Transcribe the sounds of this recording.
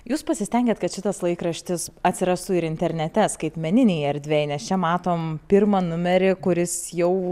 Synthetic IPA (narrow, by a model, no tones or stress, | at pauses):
juːspɐsʲɪsʲtʲɛˑŋʲɡʲeːt̪kɐt̪ʃʲɪt̪ɐslˠɐɪkɾɐʃʲt̪ʲɪsɐt̪ʲsʲɪɾɑsʊɪɾɪnʲt̪ʲɛɾʲnʲɛt̪ʲɛskɐɪt̪ʲmʲɛnʲɪnʲɛjɛɾʲd̪ʲʋʲɛɪnʲɛst͡ʃʲɛmɑːt̪oːmpʲɪɾmɐnʊmʲɛɾʲɪkʊɾʲɪsjɛʊ